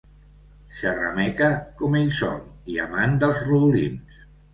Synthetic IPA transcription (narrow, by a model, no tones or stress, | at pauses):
ʃaɾa̰mɛkəkɔmejso̰nia̰mand̪əlˠzruðulḭns